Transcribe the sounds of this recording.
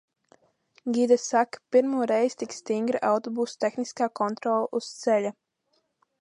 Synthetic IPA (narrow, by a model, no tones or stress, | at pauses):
ɡid̪ɛsakpiɾmuɾɛjst̪ikst̪iŋɡɾawt̪obust̪ɛxniskakɔnt̪ɾɔlussɛʎə